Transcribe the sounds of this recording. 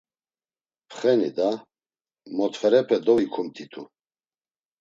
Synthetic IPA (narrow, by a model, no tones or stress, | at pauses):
pʰχɛnid̪a | mɔt̪ʰfɛɾɛpʰɛd̪ɔvikʰumt̪ʰit̪ʰu